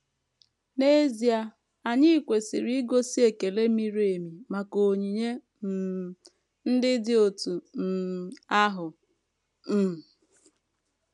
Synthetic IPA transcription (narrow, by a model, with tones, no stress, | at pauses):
ne˦zi˨a˦ | a˨ɲɪ˦i˨kʷe˨si˨ɾi˦i˦ɡo˦si˦e˨ke˨le˦mi˦ɾe˨mi˨ma˨ko˨ɲi˨ɲe˦ | m̩˨ | n̩˦dɪ˦dɪ˦o˨tu˨m̩˨a˦ɦʊ˨ | m̩˨